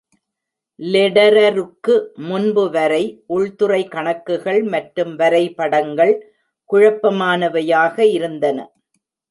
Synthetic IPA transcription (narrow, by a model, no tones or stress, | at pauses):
lɛɽɐɾɐɾɯkːɯmʊnbɯʋɐɾɐɪʔʊɭt̪ɯrɐɪkɐɳɐkːɯɣɐɭmɐʈɾɯmʋɐɾɐɪpɐɽɐŋɡɐɭ | kʊɻɐpːɐmaːnɐʋɐjaːɣɐɪɾɯnd̪ɐnɐ̰